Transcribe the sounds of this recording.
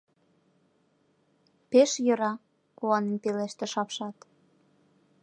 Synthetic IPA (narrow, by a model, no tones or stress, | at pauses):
peʃjɤ̆ɾɑ | kuɑnenpeleʃt̪ĕʃɑpʃɑt̪